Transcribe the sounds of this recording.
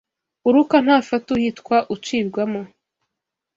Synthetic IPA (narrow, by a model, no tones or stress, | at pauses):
uɾukan̥haːfatuhitkwaʔut͡ʃiːbɡwamo